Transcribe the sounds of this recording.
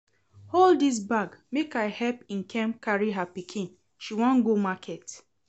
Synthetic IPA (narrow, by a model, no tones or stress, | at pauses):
holddis̬baɡmekaɪhɛpĩnkʰɛ̃mkaɹiɦapikʰĩn | ʃiwɔ̃nɡomakʰɛt